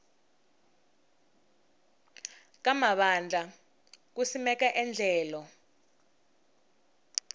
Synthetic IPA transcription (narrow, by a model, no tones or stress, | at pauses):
k̬amaɓand͡ɮʱa | kusimɛkaʔɛnd͡ɮʱɛːlɔ